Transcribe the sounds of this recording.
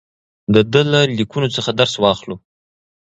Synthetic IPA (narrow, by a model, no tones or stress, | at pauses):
d̪əd̪əlalikunot͡səxad̪aɾswɑxlo